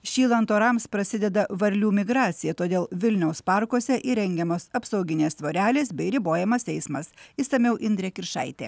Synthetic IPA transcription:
ʃʲiːlˠɐnt̪oːɾɑmspɾɐsʲɪd̪ʲɛd̪ɐʋɐɾʲlʲuːmʲɪɡɾɑːt̪sʲɪjɛt̪oːd̪ʲeːlˠʋʲɪlʲnʲɛʊspɑˑɾkuɔsʲɛʔiɾʲɛŋʲɡʲɛmoːsɐpsɐʊɡʲɪnʲeːst̪ʋoːɾʲæːlʲeːsbʲɛɪɾʲɪboːjɛmɐsɛɪsmɐsiːsɐmʲɛʊʔɪnd̪ʲɾʲɛkʲɪɾʃɐ̰ɪt̪ʲeː

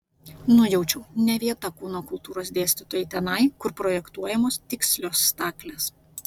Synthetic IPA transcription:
nʊjɛʊt͡ʃʲɛʊnʲɛʋʲiɛt̪ɐkuːnoːkʊlˠt̪uːɾoːs̬d̪ʲeːsʲt̪ʲɪt̪oːjɛt̪ʲɛnɐɪkʊɾpɾoːjɛkt̪uɔjɛmoːst̪ʲɪksʲlʲoːsːt̪ɑːklʲɛs

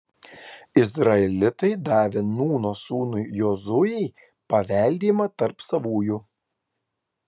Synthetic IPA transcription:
ɪzɾɐɛlʲɪt̪ɐɪd̪ɑːʋʲenuːnoːsuːnʊjjoːzʊjɛɪ | pɐʋʲɛˑlʲd̪ʲiːmɐt̪ɐɾpsɐʋuːjʊ

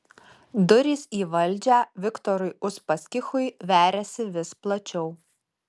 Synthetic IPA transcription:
d̪ʊɾʲiːsiːʋɐlʲˑd͡ʒʲæːʋʲɪkt̪ɔɾʊɪʊʃpɐsʲkʲɪxʊɪʋʲæːɾʲɛsʲɪʋʲɪsplˠɐt͡ʃʲɛʊ

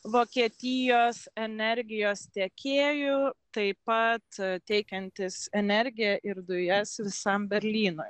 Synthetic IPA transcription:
ʋoːkʲiɛt̪ʲɪjoːsɛnʲɛɾʲɡʲɪjoːst̪ʲɛkʲeːjʊt̪ɐɪpɐt̪t̪ʲɛɪkʲɛnʲt̪ʲɪsɛnʲɛɾʲɡʲɪjɛʔɪɾd̪ʊjɛsʋʲɪsɐmbʲɛɾʲlʲiːnoj

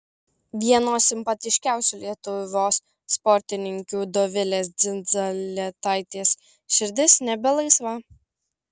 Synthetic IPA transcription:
ʋʲiɛnoːsʲɪmpɐt̪ʲɪʃʲkʲæˑʊsʲuːlʲiɛt̪ʊʋʲoːsː | pɔɾʲt̪ʲɪnʲɪŋʲkʲuːd̪oːʋʲɪlʲeːsd̪zʲɪnzolʲɛt̪ɑˑɪt̪ʲeːs | ʃʲɪɾʲd̪ʲɪsnʲɛbʲɛlˠɐɪsʋɐ

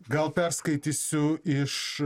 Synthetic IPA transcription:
ɡɐlˠpʲɛɾskɐɪt̪ʲisʲʊɪʃ

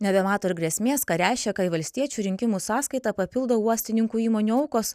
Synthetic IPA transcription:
nʲɛbʲɛmɑːt̪oːɪɾɡɾʲɛsʲmʲeːskɐɾʲæˑɪʃʲkʲɛkɐɪʋɐlʲsʲt̪ʲiɛt͡ʃʲuːɾʲɪŋʲkʲɪmuːsɑːskɐɪt̪ɑpɐpʲɪlˠd̪oːuɔsʲt̪ʲɪnʲɪŋkuːiːmoːnʲuɐʊkoːs

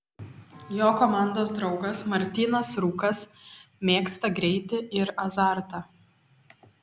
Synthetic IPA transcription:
joːkomɑˑnd̪oːs̬d̪ɾɒʊɡɐsmɐɾʲt̪ʲiːnɐsɾuːkɐsmʲeːkst̪ɐɡɾʲɛɪt̪ʲɪɪɾɐzɑˑɾt̪ɐ

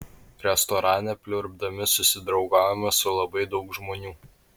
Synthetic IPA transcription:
ɾʲɛst̪ɔɾɑːnʲɛpʲlʲʊɾbd̪ɐmʲɪsʊsʲɪd̪ɾɒʊɡɑːʋʲɛmɐsʊlˠɐbɐɪd̪ɒʊkʒmoːnʲuː

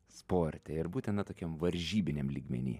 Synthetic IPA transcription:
spoːɾʲt̪ʲɛɪɾbuːt̪ʲɛnɐt̪oːkʲɛmʋɐɾʲʒʲiːbʲɪnʲɛmlʲiːɡmʲɛ̰nʲḭː

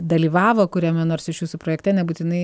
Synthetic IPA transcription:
d̪ɐlʲiːʋɑːʋoːkʊɾʲɛmʲɛnoːrsɪʃjuːsʊpɾoːjɛktʲɛnʲɛbuːt̪ʲɪnɐɪ

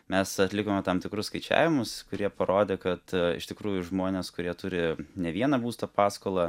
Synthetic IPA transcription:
mʲɛsɐt̪ʲlʲɪkoːmʲɛt̪ɐmt̪ʲɪkɾʊsskɐɪt͡ʃʲæ̰ːʋʲɪmʊskʊɾʲiɛpɐɾoːd̪ʲeːkɐt̪ɪ̰ʃt̪ʲɪkɾuːjʊʒmoːnʲeːskʊɾʲiɛt̪ʊɾʲɪnʲɛʋʲiɛnɐbuːst̪opɑːskoːlˠɐ

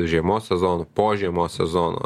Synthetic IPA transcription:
ʒʲɛmɔsɛzɔnʊpɔʒʲɛmɔsɛzɔnʊ̰

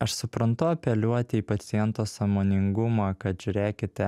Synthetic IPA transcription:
ɐʃsʊpɾɐnt̪ʊɐpʲɛlʲuɔt̪ʲɪiːpɐt̪sʲɪjɛnt̪oːsɑmoːnʲɪŋɡʊmɑːkɐt̪ʒʲʊɾʲeːkʲɪt̪ʲɛ

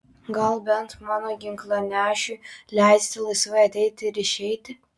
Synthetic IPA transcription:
ɡɐlˠbʲɛnt̪mɑːnoːɡʲɪŋklˠɐnʲæːʃʲulʲæɪsʲt̪ʲɪlˠɐɪsʋɐɪɐt̪ʲɛɪt̪ʲɪɪɾɪʃʲɛɪt̪ʲɪ

